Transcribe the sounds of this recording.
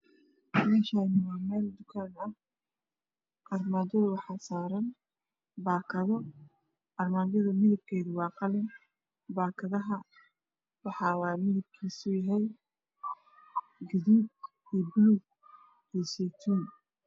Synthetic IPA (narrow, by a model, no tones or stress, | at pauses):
mɛːʃaːnɪwːmɛːld̪ʊkʰaːnɐh | ʔɐrmaːdɐðʊwɑħɑːsaːɾɐn | baːkʰɐðɔ | ɐrmaːd͡ʒɐðʊmɪðɪb̚kʰɛːðʊwɑːqɑlɪn | baːkʰɐðɐɦɐ | wɑħɑːwɑːmɪðɐb̚kʰiːsʊjaɦɛj | ɡɐðuːb | iːbluɡ | ɛːsɛt̪ʰun